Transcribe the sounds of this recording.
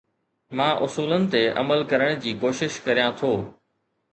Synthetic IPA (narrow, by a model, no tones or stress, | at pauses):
mãːʔʊsuːlənɪ̆t̪eʔɐ̰məlkɐɾəɽ̃d͡ʑiːkoːʃɪʃkɐɾijãt̪ʰoː